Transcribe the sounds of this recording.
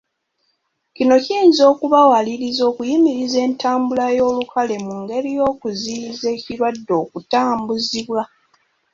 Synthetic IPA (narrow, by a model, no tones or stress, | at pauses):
cino̞ciːnzo̞ːkuβawaliɾizo̞ːkujimiɾize̞ːntaːmbulajo̞ːlukale̞muŋɡe̞ɾijo̞ːkuzize̞ːciɾwadːo̞ːkutaːmbuziβwa